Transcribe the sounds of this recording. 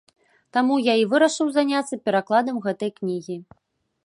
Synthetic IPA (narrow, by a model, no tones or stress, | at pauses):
t̪amujaivɨɾɐʂɨwzanʲat̪sːɐpʲɛɾaklˠad̪ɐmɣɛt̪ɐjknʲiɣʲi